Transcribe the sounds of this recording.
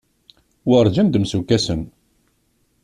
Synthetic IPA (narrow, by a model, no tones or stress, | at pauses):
wəɾˤd͡ʒənd̪msukːæsən